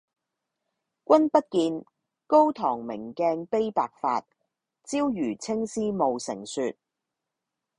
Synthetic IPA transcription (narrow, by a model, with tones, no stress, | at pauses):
kʷɐ˥npɐ˥t̚kiː˧n | ko˥wt̪ʰɔː˨˩ŋmɪ˨˩ŋkɛː˧ŋpe˥jpaː˨˧k̚fa̰ː˧t̚ | t͡siː˥wjyː˨˩t͡sʰɪ˥ŋsiː˥mo˨wsɪ̰˨˩ŋsyː˨˧t̚